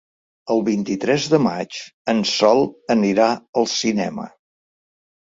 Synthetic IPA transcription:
əlˠβint̪it̪ɾɛzðəma̰t͡ʃənsɔlˠəniɾaəlˠsinɛ̰mə̰

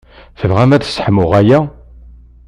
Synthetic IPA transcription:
θəvʁæmæðsːħmʊʁæjæ

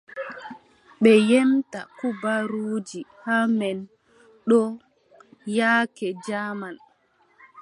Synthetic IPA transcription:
ɓɛjɛmta̰kubaɾuːd͡ʒihamɛn | ɗɔ | jaːkɛd͡ʒaːman

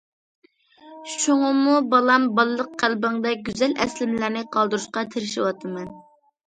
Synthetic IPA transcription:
ʃuŋɑmubɑlˠɑmbɑlˠɨlˠəqqʰːælbɪŋd̪ɛɡʲyzɛlɛ̰slɪmlæɾnɪqʰɑlˠd̪uɾuʃqɑt̪ʰeɾɪʃiwɑt̪ʰɨmɛn

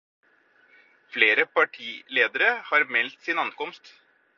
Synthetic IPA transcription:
fleːɾəpɑʈʰiːleːd̪əɾəhɑːɾmɛlt̪sɪnɑnkɔmst̪

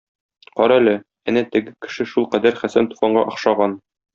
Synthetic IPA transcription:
qɒɾɑælɘ | ænæt̪ɘ̆ɡɘkɘ̥̆ʃɘʃulˠqæd̪æɾχæsænt̪u̥χɑɴɢɑʔɒ̆χʃɑʁɑn

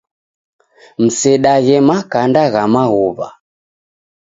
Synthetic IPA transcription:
m̩sɛɗaɣɛmakandaɣamaɣuβa

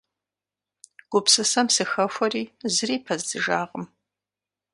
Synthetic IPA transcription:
ɡ̥ʷʊpsɨsɐmsɨxɐfʷɐriːzɨriːpʰɐzdɨʒaːʁəm

